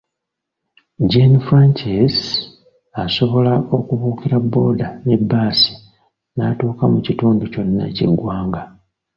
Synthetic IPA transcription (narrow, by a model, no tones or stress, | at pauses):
ɟenfɾaɲcis | aso̞βo̞laʔo̞kuβuːkiɾabːo̞ːdane̞bːaːsi̥ | natuːkamucituːnduco̞nːa̰cḭɡːwaːŋɡa